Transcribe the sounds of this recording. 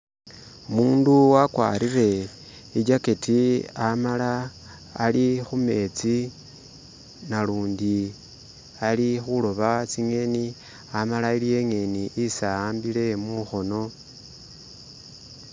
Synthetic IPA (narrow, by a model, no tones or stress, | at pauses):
omuːnduwakwa̰ːɾire̞ | iɟaketiamalaː | lixume̞t͡si | naluːndi | alixulo̞βat͡siŋe̞ni | amalailije̞ŋe̞niʔisaaːmbile̞muxo̞no̞